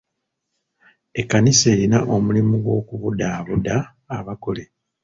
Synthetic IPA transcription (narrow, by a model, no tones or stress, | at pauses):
e̞kːanise̞ːɾinaʔo̞mulimuɡwo̞ːkuβudaːβudaː | βako̞le̞